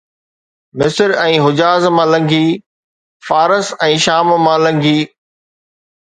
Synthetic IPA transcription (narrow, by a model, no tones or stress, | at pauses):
mɪsəɾɛ̃ːɦʊd͡ʑaːzmãːlɐ̃ŋɡʱiː | faːɾəsɛ̃ːʃaːmmãːlɐ̃ŋɡʱiː